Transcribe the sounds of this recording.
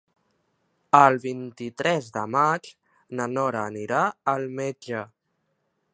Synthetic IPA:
əlˠβint̪it̪ɾɛzðə̰mat͡ʃ | nənɔɾəːniɾaəlˠmed͡ʒə

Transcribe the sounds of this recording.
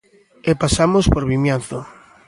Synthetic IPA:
epasamospoɾβimjanθo

